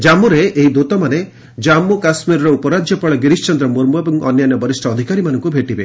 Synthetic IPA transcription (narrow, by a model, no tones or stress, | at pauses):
d͡ʒamuɾeʔeid̪ut̪ɔmane | d͡ʒamːukasmiɾɔɾɔupɔɾad͡ʒjɔpɔɭɔɡiɾist͡ʃɔnd̪ɾɔmuɾmuebɔŋɔ̰njanjɔbɔɾisʈʰɔːd̪ʱikaɾimanɔŋkubʱeʈibe